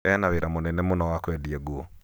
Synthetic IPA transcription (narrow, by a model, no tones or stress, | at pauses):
ɛnaweɾamonɛnɛmonɔwakwɛdiɛɡuo